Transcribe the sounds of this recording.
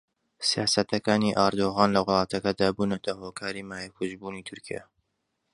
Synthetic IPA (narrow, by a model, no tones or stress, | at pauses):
sijaːsɐt̪ʰɐkaːniʔaɾd̪oːɣaːnlɐwʊlˠɑːt̪ɐkɐd̪aːbuːnɐt̪ʰɐhoːkʰaːɾiːmaːjɐkʰuʒbuːniːt̪ʰʊɾkija̰